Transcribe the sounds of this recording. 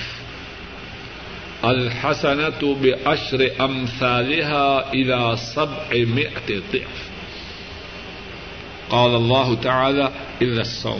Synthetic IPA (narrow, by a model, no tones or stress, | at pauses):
ʔalħasanabɪʔaʃɾɪʔamθaːlɪɦaːʔɪlaːsabʕɪmɪʔad̪ˤɨ̰ʕf | qɑːlɑlˤːɑːɦʊt̪aʕaːlaː | ʔɪlːasˤːa̰wm